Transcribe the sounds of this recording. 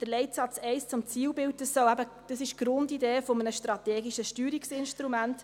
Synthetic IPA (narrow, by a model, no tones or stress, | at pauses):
d̥əɾlɛɪtsɑt͡sɛɪst͡sʊmt͡siːwbɪwt̚ːəsɔwæbə | d̥əsɪʃɡ̥ɾʊndideːfomənəʃtɾɑt̪eːɡiʃəʃtyːɾiksɪnʃtɾumæntt